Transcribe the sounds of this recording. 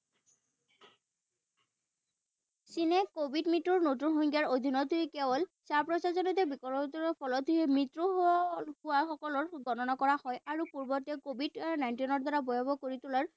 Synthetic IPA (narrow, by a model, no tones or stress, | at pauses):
sinɛkobʱidmitːɔɹnotunxɔŋɡjaɹod̪ʱinɔtuikɛbɔlsaɹpɹɔsazɔnɔt̬ɛbikɔɹtɔpʰɔlɔtiɛmɹitɹuhuwaxɔkɔlɔɹɡɔnɔnakɔɹahɔjaɹupuɹbɔtɛkobʱidnajntinɔɹd̪aɹabɔjɔbɔkoɹitulaɹ